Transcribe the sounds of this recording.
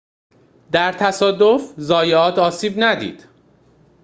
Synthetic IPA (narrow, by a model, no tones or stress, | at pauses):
d̪æɾt̪ʰæsɒːd̪ofzɒːjeɒːt̪ʰɒːsiːbnæd̪ḭːd̪̥